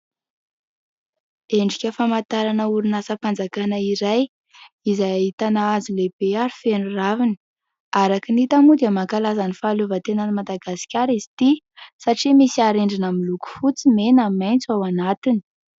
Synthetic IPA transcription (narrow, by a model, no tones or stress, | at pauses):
eɳɖ͡ʐikʲəfamat̪aɾanəuɾinasəpand͡zakanəiɾaj | izajaɦit̪anaazilebeaɾi̥fenuravini̥ | aɾakinit̪amud̪iamakalazanifaːluvət̪enanimad̪aɡasi̥kʲaɾizit̪i | saʈ͡ʂimisiaɾeɳɖ͡ʐinamiluku̥fut͡simenamajnt͡suawanat̪ini̥